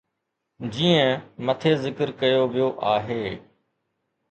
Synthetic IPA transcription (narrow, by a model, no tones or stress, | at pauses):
d͡ʑiːə̃mət̪ʰeːzɪkəɾkɐjoʋijoːʔaːɦeː